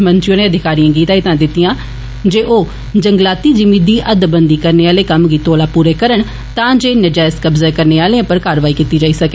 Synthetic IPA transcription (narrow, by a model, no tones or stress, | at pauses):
mənt͡ʃɪjõːnẽːəd̪ʱɪkaːɾijãːɡiːt̪aːit̪ãːd̪ɪt̪ːijãː | d͡ʒeːʔoː | d͡ʒəŋɡlaːt̪iːd͡ʒɪmiːd̪iːʔəd̪bənd̪iːkəɾneːaːleːkəmɡiːt̪oːlaːpuːɾeːkəɾəɳ | t̪ãːd͡ʒeːnəd͡ʒɛːskəbzaːkəɾneːaːleãːpəɾkaːɾəʋaːiːkiːt̪iːd͡ʒaːiːsəke